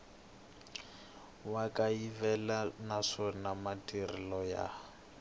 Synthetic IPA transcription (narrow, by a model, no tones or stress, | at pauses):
wakʼaivɛlanaʂɔnamatʼirɪlɔja̰